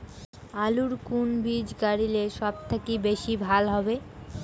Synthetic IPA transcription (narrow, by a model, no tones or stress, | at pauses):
aluɾkunbʱid͡ʑɡaɾileʃɔb̚t̪ʰekibeʃibʱalɦɔbe